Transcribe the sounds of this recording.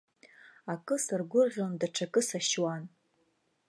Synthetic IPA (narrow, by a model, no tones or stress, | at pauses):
akʼɨsarɡʷʊrʁʲondaʈ͡ʂʰakʼɨsaʃwan